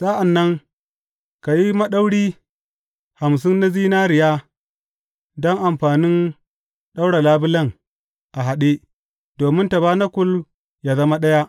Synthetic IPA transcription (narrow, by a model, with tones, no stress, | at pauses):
saː˦ʔa˨nːɐ˦ŋ | ka˨ji˦mɐ˦ɗa˦wɽiː˦ | ha˨ms̬ɪ˦nːa˦ziː˦naː˦ɾɪ˨ja˦ | dɔ˦ŋʔa˨mɸaː˨nɪ˦n | ɗa˦wɽa˨laː˦bɪ˦lɐ˦ŋ | ʔa˨ɦa˨ɗe˦ | d̥oː˨mɪ˦nta˨baː˦na˦kʷʊ˦l | jaː˨zɐ˦ma˦ɗɐ˦ja˦